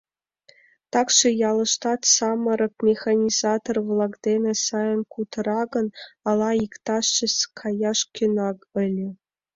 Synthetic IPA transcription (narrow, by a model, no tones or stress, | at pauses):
t̪ɑkʂejɑlˠɤ̆ʂt̪ɑt̪sɑmɤ̆ɾɤ̆k̚mʲexanʲizɑt̪orvlˠɑkd̪enʲĕsɑjə̆nkut̪ʰɤ̆ɾɑɡɤ̆nɑlˠɑikt̪ɑʂt͡ɕĕskʰɑjɑʂkʲynɑkə̆lʲɘ̆